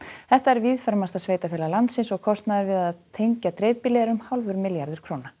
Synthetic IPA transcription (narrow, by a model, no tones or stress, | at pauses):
θɛht̪aɛɾviðfœɾmast̪asveːjt̪afɪːlalant̪sɪnsɔɣkʰɔst̪naðɪɾvɪðaðt̪ʰejɲcat̪ɾeːjvpɪlɛɾʏmhalvʏɾmɪljaɾðʏɾ̥kʰɾoːwna